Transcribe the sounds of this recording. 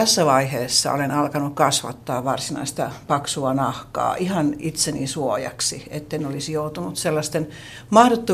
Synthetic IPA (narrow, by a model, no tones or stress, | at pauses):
æsːæʋɑiheːsːɑ̰o̰lenɑlkɑnukkɑsʋɑ̰t̪ːɑːʋʋɑrsinɑ̰ist̪ɑpɑksuɑnɑhkɑ̰ːʔihɑnit̪senisuojɑ̰ksiet̪ːeinolisjout̪unut̪selːɑst̪en | mɑhrot̪ːu